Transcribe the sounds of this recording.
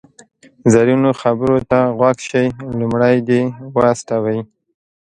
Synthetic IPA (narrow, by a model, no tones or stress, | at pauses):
zaɾjunoxabəɾot̪aɣwakʃajlumɽajd̪ewasʈ̪awaji